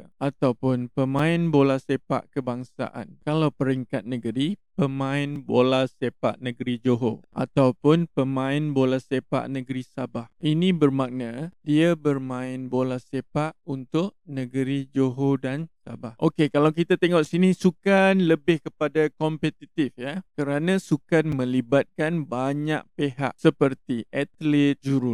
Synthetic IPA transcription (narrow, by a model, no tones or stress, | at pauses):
ʔat̪awpʊnpəmãɪnbolahsepa̰ʔkəbaŋsa̰ʔa̰nkalawpəɾiŋkat̪̚nəɡəɾipəmãɪnbolasepa̰ʔnəɡəɾid͡ʒoɦoʔa̰t̪awpʊnpəmãɪnbolasepa̰ʔnəɡəɾisabahinibərmak̚nadiabərmãɪnbolahsepaʔunt̪ʊʔ̚nəɡəɾid͡ʒoɦodansa̰bahʔokekalawk̬it̪at̪eŋɔʔsinisukanləbɪhkəpadakɔmpet̪it̪ɪfjakəɾanãsukanmə̃libat̪̚kanbaɲa̰ʔ̚peɦa̰ʔsəpərt̪iʔat̪lɪt̪̚d͡ʒuɾu